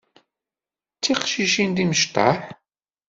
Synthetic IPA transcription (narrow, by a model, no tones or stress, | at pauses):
t͡sːiqʃiʃind̪iməʃt̪ɑ̰ħ